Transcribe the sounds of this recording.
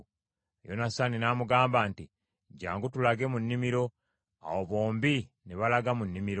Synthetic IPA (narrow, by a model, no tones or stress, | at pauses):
jo̰nasaninaːmuɡaːmbaːnti | ɟaːŋɡutulaɡe̞munːimiɾo̞ | a̰woβo̞ːmbi | neβalaɡamunːimiɾo